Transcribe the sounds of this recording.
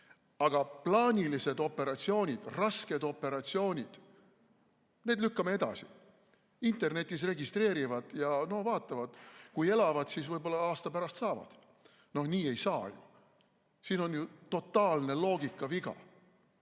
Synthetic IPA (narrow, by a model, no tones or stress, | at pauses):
ɑɡ̥ɑplɑːnʲilise̞d̪o̞pːe̞ɾɑt̪sio̞ːnʲid̪̥rɑske̞d̪̥o̞pːe̞ɾɑt̪ʲsio̞ːnʲid̪̥ | ne̞ːd̪lykːɑmee̞d̪̥ɑ̰si̥ | int̪e̞rne̞t̪ʲːˑis̬re̞ɡist̪re̞ːɾivɑd̪̥jɑno̞hvɑːt̪ːˑɑvɑd̪̥kuje̞lɑvɑd̪̥sisvɤjbo̞lːɑɑːst̪ɑpæɾɑst̪sɑːvɑ̰d̪̥ | no̞hniːe̞jsɑːjṵ | siːno̞njut̪o̞t̪ːˑɑːlne̞lo̞ːɡikˑːɑviɡ̥ɑ̰